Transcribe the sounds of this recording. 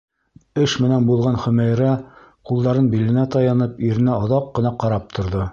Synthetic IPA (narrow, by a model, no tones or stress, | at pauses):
ɘʃmɘ̆nænbulˠʁɑnχɵ̆mæjɾæ | qulˠd̪ɑɾɤnbilɘ̆næt̪ɑjɑnɤpiɾɘ̆næoðɑqːɤ̆nɑqɑɾɑp̚t̪ʰŏɾðɤ